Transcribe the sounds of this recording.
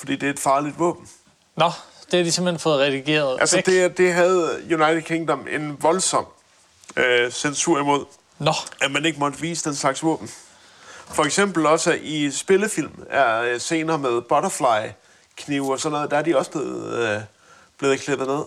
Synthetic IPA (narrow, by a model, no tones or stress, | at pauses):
fɒd̥ḭːd̥e̝æɐed̥fɑ̈ːlid̥ʋɔ̰̽ːb̥n̩ | nɒd̥ehæd̥ise̝m̥lenfɔ̽ːð̩ˠʁɛðiɡ̥e̝̰ːɐðˠʔælsəd̥e̝d̥e̝ɦæð̞̩ˠjunɑ̈ɪd̥ʰed̥̚ˠkʰeŋd̥ɒme̝nʋɒ̽lsɒ̽m̰ | øsensuɐ̰imo̝ð̰ˠ | nɒæmæne̝ɡ̥əmɒ̽d̥əʋḭːsəd̥enslɑ̈ɡ̥sʋɔ̰ːb̥n̩ | fɒ̽eɡ̥sem̰b̥l̩ɒ̽səʔisb̥e̝ləfil̰mæɐse̝ːnɐːmeð̞ˠb̥ɒ̽ɾɐflɑ̈ɪ | kʰniʊ̰ɒsɒ̽nɔːð̩ˠd̥ææɐd̥iɒ̽sə̥b̥le̝ːð̩ˠ | b̥le̝ːðˠkʰleb̥ð̩ˠne̝ð̰ˠ